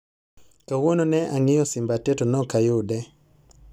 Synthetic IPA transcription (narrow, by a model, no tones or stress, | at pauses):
kawonɔnɛʔaŋɪjɔsɪmbatɛtɔnɔkajʊdɛ